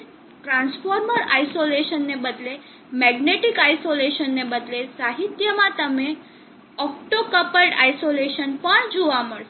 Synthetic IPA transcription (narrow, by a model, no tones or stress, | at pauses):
ʈɾãnsfoɾməɾaisoleʃənːebəd̪le | mɛɡneʈikaisoleʃənːebəd̪lesaɦit̪jəmãt̪əme | ɔk̚ʈokəpəlʈa̰isoleʃənpəɳd͡ʒoʋaməɭʃ